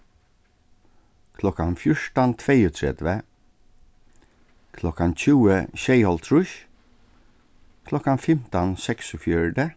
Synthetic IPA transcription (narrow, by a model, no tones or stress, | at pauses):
kʰlɔkanfjʊʂʈant̪ʰʋeɪʊt̪ʰɹɛ̰d̪ʋə | kʰlɔkançʉːəɕeɪhɔlt̪ʰɹʉʃ | kʰlɔkanfɛmt̪ɑnsɛksɔfjœɖə